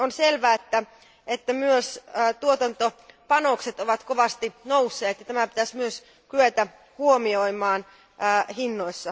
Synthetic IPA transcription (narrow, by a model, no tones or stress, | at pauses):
onselʋæːet̪ːæ | et̪ːæmyøsːt̪uot̪ɑnt̪opɑnokset̪oʋɑt̪koʋɑst̪inousːeːt̪jɑt̪æmæpit̪æsmyøs | kyøt̪æ | huomioimɑːnː | hinːoisːɑ